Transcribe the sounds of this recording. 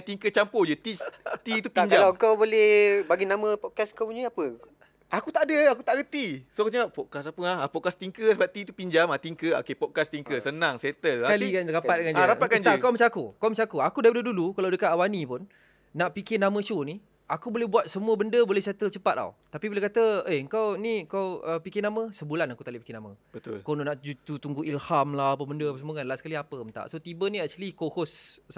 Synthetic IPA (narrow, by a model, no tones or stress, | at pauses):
t̪iŋkət͡ʃampod͡ʒət̪it̪it̪upiɲd͡ʒalakawbolɛhbaɡinamə̃pɔt̪̚kaskawniapə | akut̪aʔdəaku̥t̪aʔɡət̪isokt͡ʃəapɔʔ̚kasapəahapɔʔ̚kast̪iŋkəsəbap̚t̪it̪upiɲd͡ʒamat̪iŋkəo̰kepɔt̚kast̪iŋkəsənãŋset̪əlsakalikanɾapat̪̚əŋanaɾapat̪̚kaand͡ʒakawmət͡ʃaakukawmət͡ʃaakuakudajbənədulukalawdəkat̪̚awanipʊnː | aʔpikɪnamə̃t͡ʃoni | akubolɛbuat̪̚səmuəbəndəbolɛhset̪əlt͡ʃəpat̪̚a̰wt̪apibiləkat̪əeəŋkawniəkawəpikɪnamə̃səbulanakut̪aliʔpi̥kɪnaməbət̪ʊ̰lkononaʔd͡ʒut̪ut̪uŋɡuʔilhamlahapəbəndəapəsəmoŋanlasə̥kaliapəmənt̪a̰ʔsot̪ibənĩaʔ̚t͡ʃulikohos